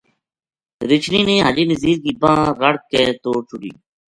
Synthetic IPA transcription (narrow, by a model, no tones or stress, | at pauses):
ɾɪt͡ʃʰniːnẽːɦaːd͡ʒeːnəziːɾkiːbãːɾəɽkɛːt̪oːt͡ʃʰʊɖḭː